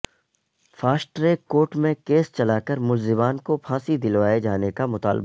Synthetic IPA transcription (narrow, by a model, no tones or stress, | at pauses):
faːsʈɾekoːʈmẽkeːst͡ʃɐlaːkəɾmʊlzɪbaːnkopʰãːsid̪ɪlʋaːed͡ʒaːnekamʊt̪a̰ːlba̰